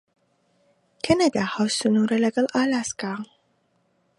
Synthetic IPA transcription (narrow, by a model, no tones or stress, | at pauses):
kʰɐnad̪aːhawsunuːɾɐlɐɡɐlˠʔaːlaːskaː